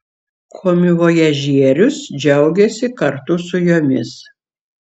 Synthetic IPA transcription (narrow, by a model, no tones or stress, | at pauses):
kʰoːmʲɪʋoːjɛʒʲiɛɾʲʊsd͡ʒʲɛʊɡʲɛsʲɪkɐɾt̪ʊsʊjoːmʲɪs